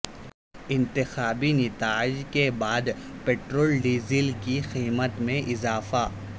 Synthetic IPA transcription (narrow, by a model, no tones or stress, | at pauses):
ɪ̃nt̪ɪxaːbinɪt̪aːɪd͡ʒkebaːd̪ | peːʈɾoːlɖiːzɪlkixiːmət̪mẽʔɪzaːfa